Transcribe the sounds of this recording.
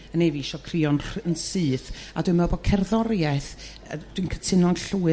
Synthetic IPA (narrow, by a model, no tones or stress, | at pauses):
əneviʃɔkʰriɔnənsɨːθa̰dwɨmɛbɔkʰɛrðɔɾjɛθ | d̥wɨnkʰətʰɪnɔnɬuːɨ